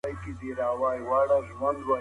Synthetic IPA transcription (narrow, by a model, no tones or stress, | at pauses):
ajkid̪iɾaːwaːjwaːɽaʒwɐnd̪wa